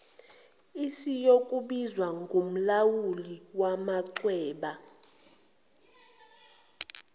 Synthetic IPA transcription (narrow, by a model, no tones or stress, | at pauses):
isijokʼuɓizwaŋɡʱum̩lawuliwamaǀwɛːɓa